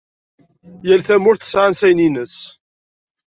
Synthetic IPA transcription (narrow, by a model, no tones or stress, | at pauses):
jælθæmʊɾθə̥sʕansæjninəs